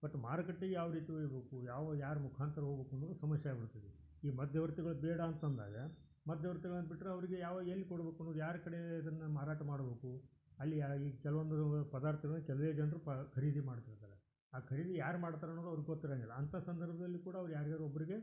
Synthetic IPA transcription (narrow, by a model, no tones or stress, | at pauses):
b̥ɐʈːmaːɾɐkɐʈːeɡjaːʋɐɾiːt̪iʋojibeːkujaːʋɐjaːɾmukʰaːnt̪ɾɐɦoɡbeːkunːud̪usɐmɐʃjajɐbiɽut̪ːid̪i | iːmɐd̪ʱjɐʋɐɾt̪iɡɐɭubɛːɽɐːnt̪ɐnd̪a̰ːɡɐ | mɐd̪ʱjɐʋɐɾt̪iɡɐɭɐnːbiʈːɾeɐʋɐɾiɡejaːʋaelːikoɽbeːkunːuːd̪jaːɾɐkɐɽeɐd̪ɐnːɐmaːɾaːʈɐmaːɽbeːku | ɐlːiikɛlɐʋond̪upɐd̪aːɾt̪ʰɐɡɐɭɐnːkɛlɐʋeːd͡ʒɐnɾuɐkʰɐɾiːd̪imaːɽt̪iɾt̪aːɾe | aːkʰɐɾiːd̪ijaːɾumaːɽt̪aːɾenːoːd̪ɐʋɐɾɡeɡot̪ːiɾeːnɛlːɐɐnt̪ʰasɐnd̪ɐɾbʱɐd̪ɐlːikuːɽɐːʋɐɾujaːɾɡaːd̪ɾuobːɐɾiɡe̞